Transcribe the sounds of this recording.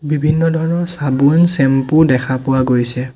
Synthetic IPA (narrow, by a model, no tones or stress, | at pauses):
bibʱinːɔdʱɔɹɔnɔɹsabunsɛmpudɛkʰapʊwaɡojsɛ